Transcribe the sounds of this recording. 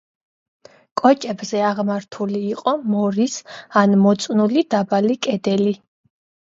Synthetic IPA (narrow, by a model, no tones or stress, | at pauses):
kʼɔt͡ʃʼɛbzɛaʁmaɾt̪ʰuliːqʼɔmɔɾisanmɔt̪sʼnulid̪abalikʼɛd̪ɛli